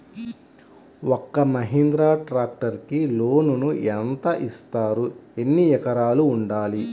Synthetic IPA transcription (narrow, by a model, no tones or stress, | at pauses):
ɔkːɐmɐɦind̪ɾaːʈɾaːk̚ʈɐɾkiloːnunuɛnt̪ɐʔist̪aːɾue̞nːijɛkɐɾaːluːɳɖaːli